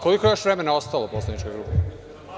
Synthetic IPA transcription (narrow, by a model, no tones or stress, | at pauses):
kolikoejoʃʋɾeme̞nao̞st̪aloposlˠanit͡ʃkojɡɾupe